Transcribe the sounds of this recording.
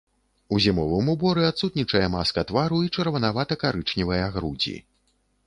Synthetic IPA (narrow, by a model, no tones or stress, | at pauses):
uzʲimɔvɨmubɔɾɨat̪sut̪nʲit͡ʂɐjɛmaskɐt̪vaɾuit͡ʂɐrvɐnavat̪ɐkaɾɨt͡ʂnʲivɐjaɣɾud͡zʲḭ